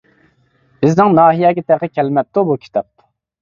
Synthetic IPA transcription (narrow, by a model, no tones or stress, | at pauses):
b̥ɪznɪŋnɑːɦijɛːɡʲɛt̪ʰɛqəkʲʰɛlmɛp̚t̪ubukʲʰi̥t̪ʰɑp̪̚